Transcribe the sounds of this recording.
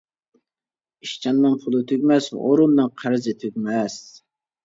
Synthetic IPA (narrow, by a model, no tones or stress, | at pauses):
iʃt͡ʃʰɑnːɨŋpʰʊlˠɨt̪ʰøkʲmɛsʔoɾʊmnɨŋqʰæɾɪzɪt̪ʰøkʲmɛs